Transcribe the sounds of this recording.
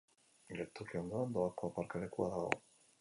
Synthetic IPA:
ɡeɾt̪uriond̪oand̪oakoapaɾkalekuaðaɣo̞̰

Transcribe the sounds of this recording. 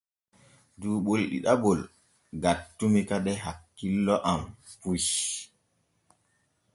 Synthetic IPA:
duːɓolɗḭɗabɔl | ɡatːumikaɗɛɦakːilːɔʔampuj

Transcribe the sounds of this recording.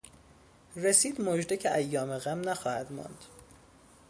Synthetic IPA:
resiːd̪mod͡ʒd̪ecʰeʔæjːɒːmeɣæmnæxɒːhæd̪mɒ̰ːnd̪̥

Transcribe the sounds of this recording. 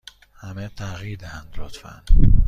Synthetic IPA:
hæmet̪ʰæɣiːɾd̪æænd̪lot̪fæ̰n

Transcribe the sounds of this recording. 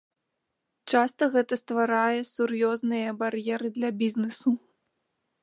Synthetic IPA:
t͡ʂast̪ɐɣɛt̪ɐst̪vaɾajɛsurjɔznɨjɐbaɾjɛɾɨd̪lʲɐbʲiznɨsu

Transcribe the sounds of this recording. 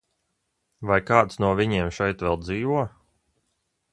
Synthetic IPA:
vajkaːt̪snuɔvʲiɲeɛmʃɛjt̪ʋɛlˠd̪ziːvuɔ

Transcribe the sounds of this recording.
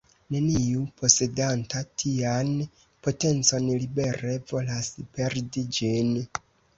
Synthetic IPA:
ne̞niupʰo̞se̞dantatʰian | po̞te̞nt͡so̞nlibe̞ɾe̞vo̞laspe̞ɾdid͡ʒin

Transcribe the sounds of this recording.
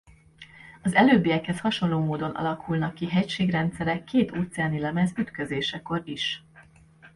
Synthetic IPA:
ɒzɛløːbːijɛkhɛshɒʃo̞nloːmoːd̪o̞nʔɒ̰lɒkʰulnɒkːiɦɛcʃeːɡrɛnt̪sɛɾɛkːeːt̪ʰoːt̪sɛaːnilɛmɛzyt̪køzeːʃɛko̞ɾiʃ

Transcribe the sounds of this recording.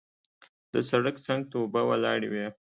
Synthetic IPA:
d̪əsaɽəksaŋɡ̚t̪obawalɑ̰ɽewe

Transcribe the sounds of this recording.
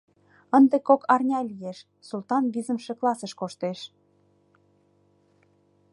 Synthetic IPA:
ənd̪ekokɑrnʲɑlʲijeʃ | sult̪ɑnβizə̆mʃĕklɑsə̆ʃkoʃt̪eʃ

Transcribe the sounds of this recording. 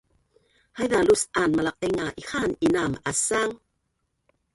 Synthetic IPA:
hajðalusanmalaq̚eŋaʔixaninamasaŋ

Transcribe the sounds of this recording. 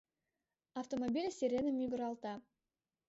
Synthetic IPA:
aft̪omobʲilʲsʲeɾʲenəmʲʏɡɾɑlˠt̪ɑ

